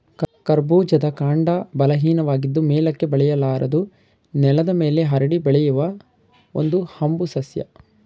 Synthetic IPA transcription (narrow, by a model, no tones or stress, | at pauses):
kɐɾbuːd͡ʒɐd̪ɐkaːɳɖɐbɐlɐɦiːnɐʋaːɡid̪ːumeːlɐkːe̞bɐɭɛjɐlaːɾɐd̪u | nɛlɐd̪ɐme̞ːle̞ɦɐɾɐɽibɐɭɛjuʋɐ | ond̪uhɐmbusɐsjɐ̰